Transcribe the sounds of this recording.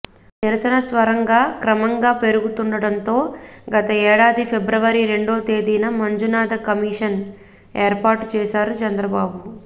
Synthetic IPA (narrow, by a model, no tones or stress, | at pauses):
niɾɐsɐnɐsʋɐɾɐŋɡaːkɾɐmɐŋɡaːpe̞ɾuɡut̪uɳɖɐɽɐnt̪o̞ːɡɐt̪ɐɛːɽaːd̪ipʰe̞bɾɐʋɐɾiɾe̞ɳɖo̞ːt̪e̞ːd̪iːnɐmɐɲd͡ʒunaːd̪ɐkɐmiːʂɐn | eːɾpaːɾʈt͡ʃɛːsaːɾut͡ʃɐnd̪ɾɐbaːbu